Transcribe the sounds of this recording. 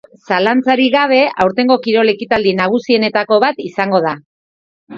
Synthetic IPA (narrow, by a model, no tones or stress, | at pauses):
salant͡saɾiɣaβ̞e̞awɾt̪e̞ŋɡo̞kiɾo̞le̞kit̪ald̪inaɣ̞usie̞ne̞t̪ako̞βat̪isaŋɡo̞ð̞a